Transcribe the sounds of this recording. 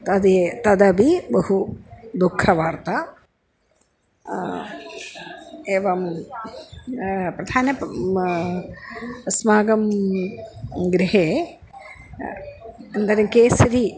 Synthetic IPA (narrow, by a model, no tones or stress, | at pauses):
t̪ɐd̪t̪ɐd̪ɐbibɐhud̪ukʰːɐʋaːɾt̪ɐ | eːʋɐm | pɾɐd̪ʱaːnɐ | smaːɡɐm | ɡɾiɦeː | ɐnd̪ɐɾɐmkeːsɾi